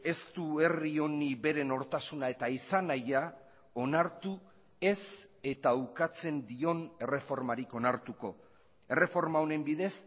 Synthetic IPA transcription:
e̞st̪ue̞rio̞niβe̞ɾe̞no̞ɾt̪asunae̞t̪aisanaja | o̞naɾt̪u | e̞se̞t̪awkat͡se̞nd̪io̞ne̞re̞fo̞ɾmaɾiko̞naɾt̪uko̞ | e̞re̞fo̞ɾmaone̞mbiðe̞s

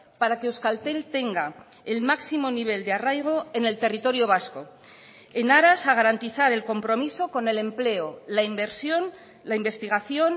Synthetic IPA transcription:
paɾakeuskalt̪e̞lt̪e̞ŋɡa | e̞lmaksimo̞niβ̞e̞ld̪earajɣ̞o̞e̞ne̞lt̪e̞rit̪o̞ɾjo̞β̞asko̞ | e̞naɾasaɣ̞aɾant̪iθaɾe̞lko̞mpɾo̞miso̞ko̞ne̞le̞mple̞olaimbe̞ɾsjo̞n | laimbe̞st̪iɣ̞aθjo̞n

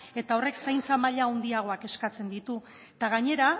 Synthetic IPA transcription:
e̞t̪ao̞re̞ksajnt͡samaʎaond̪iaɣ̞o̞ake̞skat͡se̞nd̪it̪u | t̪aɣaɲe̞ɾa

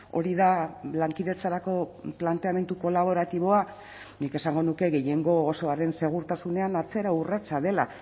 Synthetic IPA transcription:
o̞̰ɾiðalaŋkiðe̞t͡saɾako̞plant̪e̞ame̞nt̪uko̞laβ̞o̞ɾat̪iβo̞a | nike̞saŋɡo̞nuke̞ɣe̞je̞ŋɡo̞ːso̞aɾe̞nse̞ɣ̞uɾt̪asune̞anat͡se̞ɾaurat͡saðe̞la̰

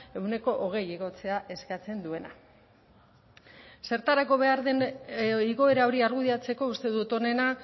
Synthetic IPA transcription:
eune̞ko̞ʔoɣ̞e̞jiɣ̞o̞t͡se̞aʔe̞skat͡se̞nd̪ue̞na | se̞ɾt̪aɾako̞βe̞aɾðeniɣo̞eɾao̞ɾiaɾɣuðiat͡se̞ko̞ust̪e̞ðut̪o̞ne̞na

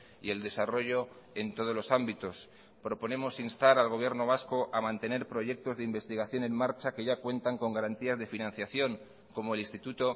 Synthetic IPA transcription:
ie̞ld̪e̞saro̞ʝo̞ | e̞nt̪o̞ð̞o̞lo̞sambit̪o̞s | pɾo̞po̞ne̞mo̞sinst̪aɾalɣ̞o̞βje̞ɾno̞β̞asko̞ʔamãnt̪e̞ne̞ɾpɾo̞ʝe̞k̚t̪o̞zðeimbe̞st̪iɣ̞aθjo̞nẽ̞ŋmaɾt͡ʃake̞ʝakwe̞nt̪aŋko̞ŋɡaɾant̪iazðe̞finãnθjaθjo̞ŋ | ko̞moe̞linst̪it̪ut̪o̞

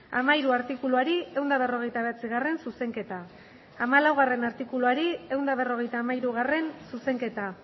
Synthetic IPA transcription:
a̰maiɾuaɾt̪ikuluaɾie̞wnd̪aβ̞e̞ro̞ɣ̞e̞jt̪aβe̞at͡siɣare̞nsuse̞ŋke̞t̪aː | malawɣ̞are̞naɾt̪ikuluaɾie̞wnd̪aβ̞e̞ro̞ɣ̞e̞jt̪aːmaiɾuɣ̞are̞nsuse̞ŋke̞t̪a

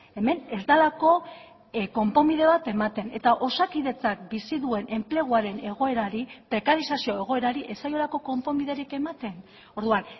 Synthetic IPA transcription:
e̞me̞ne̞zd̪alako̞ | ko̞mpo̞mið̞e̞β̞at̪e̞mat̪e̞ne̞t̪aʔo̞sakiðe̞t͡sak̚bisiðue̞nʔe̞mple̞ɣ̞uaɾe̞ne̞ɣ̞o̞e̞ɾaɾipɾe̞kaɾisasio̞eɣo̞e̞ɾaɾiʔe̞sajo̞lako̞ko̞mpo̞miðe̞ɾike̞mat̪e̞n | oɾðuan

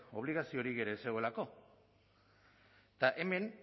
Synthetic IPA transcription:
o̞β̞liɣ̞asio̞ɾiɣe̞ɾe̞se̞ɣoe̞lako̞ | t̪aʔe̞me̞n

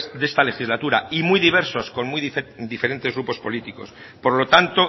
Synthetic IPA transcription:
zd̪e̞st̪ale̞xizlat̪uɾaimujðiβ̞e̞ɾso̞sko̞nmujd̪ife̞ɾe̞nt̪eɣɾupo̞spo̞lit̪iko̞̰s | po̞ɾlo̞t̪ant̪o̞

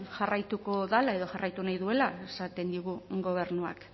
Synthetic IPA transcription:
ʝarajt̪uko̞ðalae̞ðo̞ʝarajt̪unajðue̞lae̞sat̪e̞nd̪iɣ̞uɡo̞β̞e̞ɾnua̰k

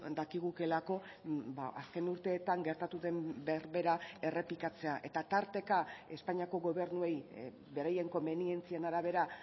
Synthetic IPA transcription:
d̪akiɣ̞uke̞lako̞ | baaske̞nuɾt̪e̞ːt̪aŋɡe̞ɾt̪at̪uðe̞mbeɾβe̞ɾae̞re̞plikat͡se̞aʔe̞t̪at̪aɾt̪e̞kae̞spaɲiako̞ɣo̞β̞e̞ɾnue̞j | be̞ɾaje̞ŋko̞mbe̞nie̞nt͡sie̞naɾaβ̞e̞ɾa

